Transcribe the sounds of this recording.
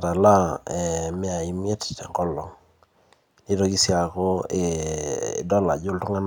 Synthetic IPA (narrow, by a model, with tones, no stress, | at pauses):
ta˨la˦ɛ˨mɪ˦a˨i˦mje˦tŋkɔ˦lɔ˨ŋ | ni˦to˦ki˦sja˨ko˦ḛ˨ | dɔ˦la˨d͡ʒo˦ltʊ˦ŋa˦n